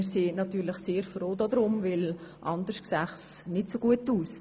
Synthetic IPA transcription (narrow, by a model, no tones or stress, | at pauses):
sinɑtyːɾləχseːɾfɾoːdɔd̪ɾʊmvɪl | ʔɑndəɾʃksæχsnɪtsoɡuətuːs